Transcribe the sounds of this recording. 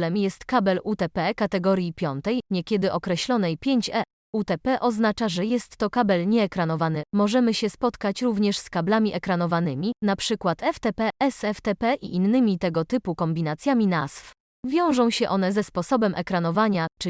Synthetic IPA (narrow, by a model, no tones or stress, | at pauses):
lɛmjɛst̪kabɛlut̪ɛpɛkat̪ɛɡɔɾjipʲjɔnt̪ɛjɲɛkʲɛd̪ɘʔɔkɾɛɕlɔn̪ɛjpʲjeɲt͡ɕɛ | ut̪ɛpɛʔɔznat͡ʂaʐɛjɛst̪ːɔkabɛlɲɛːkɾanɔvanɘmɔʐɛmɘɕɛspɔt̪kat͡ɕɾuvɲɛʂskablamʲiʔɛkɾanɔvanɘmʲinapʂɘkwat̪ɛft̪ɛpɛʔɛsɛft̪ɛpɛʔḭʔinːɘmʲit̪ɛɡɔt̪ɘpukɔmbʲinat̪sʲjamʲinaz̥f | vʲjɔ̃w̃ʐɔ̃w̃ɕɛʔɔn̪ɛzɛspɔsɔbɛmʔɛkɾanɔvaɲat͡ʂ